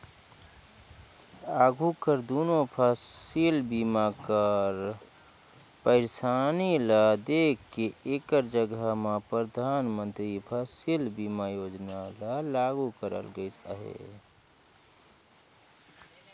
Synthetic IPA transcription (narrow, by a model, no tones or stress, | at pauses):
aɡʱukəɾd̪unopʰasilbimakəɾ | pəɪɾsanilad̪ekʰːeekəɾd͡ʒəɡamepɾəd̪ʱaːnmə̃nt̪ɾipʰasilbimajod͡ʒnalalaɡukəɾə̰lɡəɪt͡ʃəɦḛ